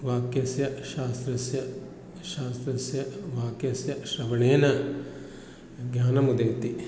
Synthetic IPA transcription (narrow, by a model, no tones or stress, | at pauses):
ʋaːkjɐsjɐʃaːst̪ɾɐsjɐ | ʃaːst̪ɾɐsjɐʋaːkjɐsjɐʃɐʋɐɳeːnɐ | ɡʱjaːnɐmud̪eɡt̪i